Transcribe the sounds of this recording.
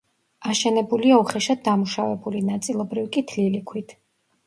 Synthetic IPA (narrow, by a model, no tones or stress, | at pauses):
aʃɛnɛbuliauχɛʃad̪̚d̪amuʃavɛbulinat̪sʼilˠɔbɾivkʼit̪ʰlilikʰwit̪ʰ